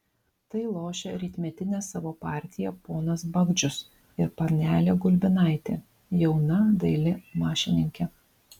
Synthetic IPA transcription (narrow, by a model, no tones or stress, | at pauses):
t̪ɐɪlˠoːʃʲeɾʲiːt̪ʲmʲɛt̪ʲɪnʲeːsɑːʋoːpɑːˑɾʲt̪ʲɪjɛpoːnɐsbɐɡd͡ʒʲʊs | ɪɾpɐɾʲnʲæːlʲeːɡʊlʲbʲɪnɑˑɪt̪ʲḛː | jɛʊnɐd̪ɐɪlʲɪmɑːʃʲɪnʲɪŋʲkʲɛ